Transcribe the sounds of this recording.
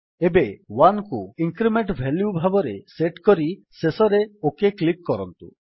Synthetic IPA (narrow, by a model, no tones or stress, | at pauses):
ebewankuiŋkɾimeɳʈbʱɛljubʱabɔɾeseʈkɔɾisesɔɾeokeklikːɔɾɔnt̪ṵ